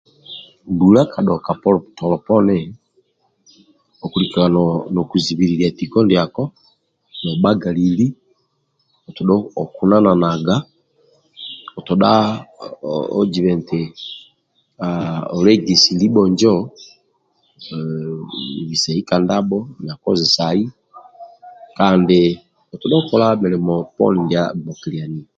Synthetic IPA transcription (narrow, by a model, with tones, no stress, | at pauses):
ndulakʰa˨ɗɔka˨pɔtɔlɔpɔ˦nɛ | ɔkulikiwanɔkuziβiɾiɾiatikɔ˦ndjakɔ˦ | nɔɓaɡa˨lili˦ | ɔ˨tɔɗɔɔ˨ku˦na˦na˨naɡa | ɔ˨tɔɗa | ɔ̰˦d͡ʒi˨βɛ˨nte˨ | a˨ɔ˨lɛ˦ɡi˨si˨li˦ɓɔ˨ɲd͡ʒɔ˦˨ | βi˨sɛ˨i˦ka˨nda˦ɓɔ˦na˨kɔ˦zi˨sa˨i˦ | ka˨nde˨ | ɔ˨tɔ˨ɗɔ˦kɔ˨la˦mɛ˨lɛ˨mɔ˨pɔ̰˦ni˨ndja̰˦˨mɔ˨ki˨li˨a˨ni˨